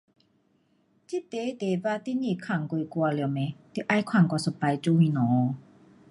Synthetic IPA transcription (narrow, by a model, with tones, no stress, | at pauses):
t͡ɕi˧˦t̪eː˨˦t̪e˨˦baː˧t̪i˧˦niː˧˨kʰa˧˩ŋku˧˨ku˧ɐ˧lɛ˧˨wmɛ˨˦t̪i˧˦ʔa˧˨jkʰwa˧˩˦ŋkɔ˧so˧˩pa˧jt͡ɕu˧mi˧˨nɔː˨˦